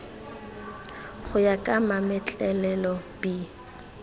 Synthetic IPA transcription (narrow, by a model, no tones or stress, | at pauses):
χʊjakʼamamɛt͡ɬʼɛlɛlɔbi